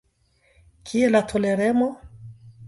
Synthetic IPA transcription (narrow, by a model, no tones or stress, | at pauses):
kʰiɛlatʰɔlɛɾɛmɔ